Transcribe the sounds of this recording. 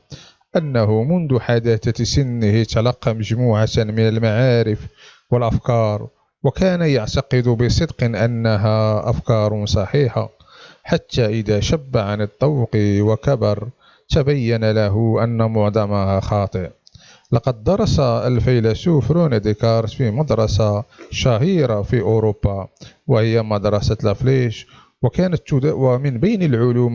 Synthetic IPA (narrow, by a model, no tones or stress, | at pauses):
ʔanːaɦʊmʊnd̪ʊħad̪aːt̪asɪnːɪhɪt̪ɑlɑqːɑməʒmuːʕat̪mɪnəlmaʕaːɾɪf | wəlʔafkɑːɾˤ | wakæːnajaʕt̪ɑqɨd̪bəsˤɨd̪qʔanːaɦaʔafkɑːɾˤsˤɑħiːħa̰ | ħat̪ːaʔɪd̪aʃabːaʕanɪt̪ˤːɑwqiwakabɑɾˤ | t̪abæjːænalæɦʊʔænːamʊʕd̪ˤɑmahaxɑt̪ˤəʔ | lɑqɑd̪̚ːɑɾˤɑsaəlfijlæsufɾunad̪ikɑɾˤfimɑd̪ɾˤɑsaʃæɦiːɾafiʔʊɾobːɑwəhəjːamɑd̪ɾˤɑsalæfliʃ | wəkæːnət̪ːʊd̪wæmənbæjnəlʕʊluːm